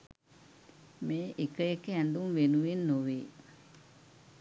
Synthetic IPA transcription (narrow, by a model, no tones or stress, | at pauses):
meːʔekːɐjekːeɛnd̪umʋenuʋenːoʋe